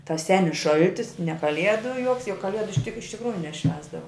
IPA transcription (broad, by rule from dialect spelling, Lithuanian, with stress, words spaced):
tɐs ˈsʲæːnʲɪs ˈʃɐlʲtʲɪs nʲɛ ˈkɑːlʲiɛdʊ joːks jʊk kɐˈlʲiɛdʊ tʲɪk ɪʃ tʲɪkˈruːjʊ nʲɛˈʃʲʋʲæːzdɐʋoː